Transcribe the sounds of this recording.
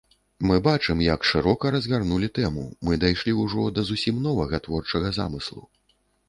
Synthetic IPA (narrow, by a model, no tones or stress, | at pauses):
mɨbat͡ʂɨmjɐkʂɨɾɔkɐɾɐzɣarnulʲit̪ɛmṵmɨd̪ajʂlʲiwuʐɔd̪ɐzusʲimnɔvɐɣɐt̪vɔrt͡ʂɐɣɐza̰mɨslˠṵ